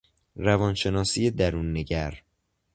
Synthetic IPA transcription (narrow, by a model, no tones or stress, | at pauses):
ɾævɒːnʃe̞nɒːsijed̪æɾuːnːeɟæɾ